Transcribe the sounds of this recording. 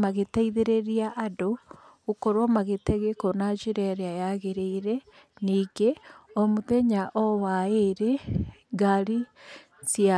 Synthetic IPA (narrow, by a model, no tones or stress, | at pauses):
maɣetaiðeɾeɾiaʔado | okoɾomaɣetɛɣekonat͡ʃiɾɛɾeajaɣeɾeiɾe | niɡeomuðeɲaʔowaeɾeɡaɾi | sia